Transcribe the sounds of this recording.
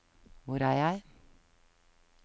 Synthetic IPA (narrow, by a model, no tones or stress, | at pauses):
ʋʊɾæːjæɪ